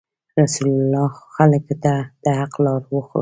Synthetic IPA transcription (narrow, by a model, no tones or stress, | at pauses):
ɾasulalɑxaləkt̪ad̪̥əhaqlɑɾwəxo̰